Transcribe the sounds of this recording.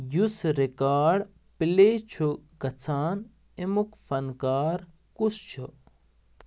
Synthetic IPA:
jusɾikaːɖ | pileːt͡ʃʰuɡɐt͡sʰaːn | imukfɐnkaːɾ | kust͡ʃʰu

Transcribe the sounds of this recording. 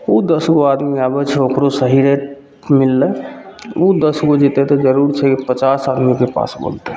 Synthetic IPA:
ud̪əsɡoad̪miabət͡ʃʰeokɾosəɦiɾeʈ | milːə | ud̪əsɡod͡ʒit̪et̪ɔd͡ʒəɾuɾt͡ʃʰɛkipət͡ʃasad̪mikepa̰sbo̰lt̪e

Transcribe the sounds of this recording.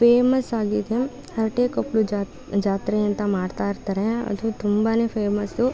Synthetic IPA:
feːmɐsaːɡit̪ʰem | hɐɾʈeːkɐplu | d͡ʒaːt̪ɾejɐ̃nt̪amaːɾt̪aːɾt̪ɐɾãɐ̰d̪ʰut̪umbaːnefeːmɐsd̪oː

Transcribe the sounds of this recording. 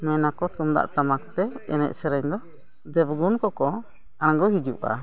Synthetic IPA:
mɛnakɔt̪umd̪a̰ʔt̪amakt̪ɛɛnɛ̰ʔ̚səɾəɲd̪ɔ | d̪ɛbɡunkɔkɔ | aɳɡɔhid͡ʒuʔa̰

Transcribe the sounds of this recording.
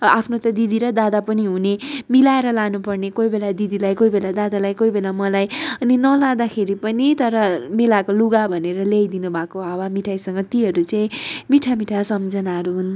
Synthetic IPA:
apʰnot̪ʌd̪id̪iɾʌd̪ad̪apʌniɦunemilaeɾʌlanupʌrnekojbelad̪id̪ilajkoibelad̪ad̪alajkoibelamʌlajʌninʌlad̪akʰeɾipʌnit̪ʌɾʌmelakoluɡabʱʌneɾʌlejd̪inubʱakoawamiʈʰajsʌŋɡʌt̪iɦʌɾut͡saĩmiʈʰamiʈʰasʌmd͡zʌnaɦʌɾuɦun

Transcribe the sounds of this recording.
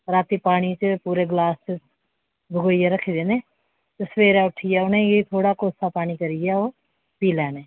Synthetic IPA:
ɾaːt̪iːpaːɽ̃iːt͡ʃəpuːɾeːɡlaːst͡ʃə | bʱəɡoːjeːɾəkʰiːd̪eːneː | t̪esʋeːɾɛːʊʈʰijɛːʊnẽːjeit̪ʰoːɽaːkoːsaːpaːñiːkəɾɪjaːoː | piːlɛːnẽː

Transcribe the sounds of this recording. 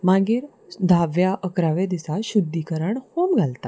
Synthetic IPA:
maɡiːɾ | d̪ʱaʋjaʔəkɾaʋed̪isaɕud̪ːikəɾəɳhomɡʱalt̪a

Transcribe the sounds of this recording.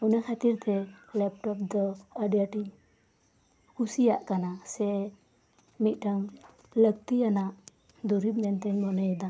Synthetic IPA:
ɔnakʰat̪iɾt̪ɛlɛp̚ʈɔp̚d̪ɔaɖjaʈiɲ | kusijaʔkanasɛ | mit̪̚ˀʈaŋ | ləɡ̚t̪ianaʔ | d̪ɔɾibmɛnt̪ɛɲmɔnɔjɛd̪a

